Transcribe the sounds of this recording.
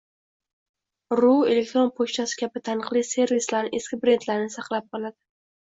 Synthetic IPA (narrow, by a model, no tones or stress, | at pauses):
ɾue̞le̞k̚ʲt̪ɾo̞npʰoʃt̪ʰasɪ̥kʲʰabɪt̪ʰanɨqlˠijse̞ɾvislaɾnɪʔeskʲɪbɾe̞nt̪laɾɪnɪsaqlˠap̚qɒlˠad̪ɪ